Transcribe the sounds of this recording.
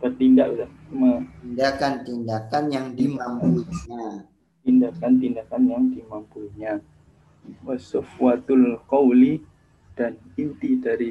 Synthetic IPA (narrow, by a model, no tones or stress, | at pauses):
t̪ərt̪indaʔuda | umaindakant̪indakanjaŋdimampulɲa | t̪indakant̪indakanjaŋdimampulɲa | wasʊfwat̪ʊlqɔwli | d̥anint̪idaɾi